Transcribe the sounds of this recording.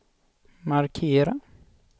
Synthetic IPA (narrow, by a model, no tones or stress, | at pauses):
maɾkʰeːɾa